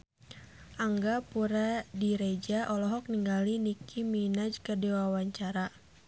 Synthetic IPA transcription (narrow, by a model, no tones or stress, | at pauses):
ʔaŋɡapuɾadiɾed͡ʒaʔɔlɔɦɔk̚niŋɡalinikʰiminad͡ʒkərdewawaɲt͡ʃaɾa